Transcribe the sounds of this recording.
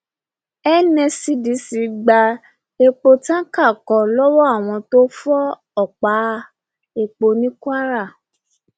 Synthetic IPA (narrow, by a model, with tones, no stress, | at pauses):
ɛ˦nɛ̃˧si˦di˨˦si˨˦ɡ͡ba˧ | e˧k͡po˧tã˦ka˦˨kɔ˨lɔ˦wɔ˦a˦˨w̃ɔ̃˧to˦fɔ˦ | ɔ˦˨k͡pa˨˦ | e˧k͡po˧nĩ˦kwa˦ɾa˦˨